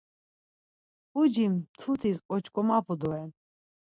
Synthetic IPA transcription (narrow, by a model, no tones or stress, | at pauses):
ud͡ʒimt̪ʰut̪ʰiskʼɔt͡ʃʰkʼɔmapʰud̪ɔɛn